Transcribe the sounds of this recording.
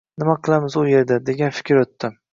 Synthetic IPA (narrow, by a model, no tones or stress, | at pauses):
nɪmaqʰɨlˠamɪzʊje̞ɾd̪ad̪e̞ɡʲanfɪ̥kʲɾot̪ːɪ